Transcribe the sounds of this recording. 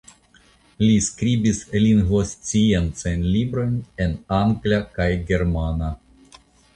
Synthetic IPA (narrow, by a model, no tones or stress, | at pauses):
lʲiskɾibislinɣost͡sient͡sajnlibɾo̞jnenaŋɡlʲakajɡe̞ɾmana